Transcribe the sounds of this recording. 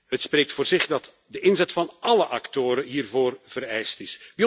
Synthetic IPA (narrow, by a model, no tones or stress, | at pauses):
ɦətspreːk̚tfoːrzɪχdɑt | dəʔɪnzɛtfɑnɑləʔɑktoːɾəɦiːrvoːrv̥əɾɛjstɪsbi